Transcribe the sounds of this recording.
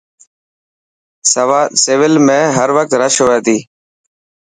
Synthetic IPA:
sseːʋɪlmẽːɦəɾʋək̚t̪ɾəʃɦoːt̪iː

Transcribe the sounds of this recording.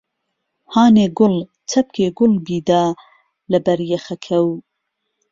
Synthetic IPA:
haːneːɡʊl | t͡sʰɐp̚kʰeːɡʊlbiːd̪aː | lɐbɐɾjɛxɐkʰɐw

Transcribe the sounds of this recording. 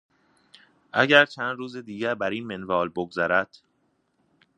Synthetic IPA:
ʔæɟæɾt͡ʃʰænd̪ruːzed̪iːɟæɾbæɾiːnmenvɒːlboɡzæɾæd̪̥

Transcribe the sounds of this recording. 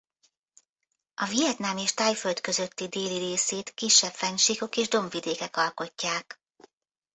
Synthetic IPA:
ɒvijɛt̪naːmeːʃt̪aːjføld̪kø̞zø̞t̪ːid̪eːliɾeːseːt̪kiʃːɛpfɛɲʃiko̞keːʒd̪o̞mvid̪eːkɛkɒlko̞cːaːk

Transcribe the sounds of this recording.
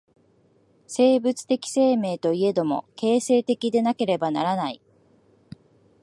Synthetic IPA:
se̞ːbɯt͡sɨ̥t̪e̞kʲi̥se̞ːme̞ːt̪o̞ie̞d̪o̞mo̞̰ke̞ːse̞ːt̪e̞kʲid̪e̞nake̞ɾe̞bana̰ɾanai

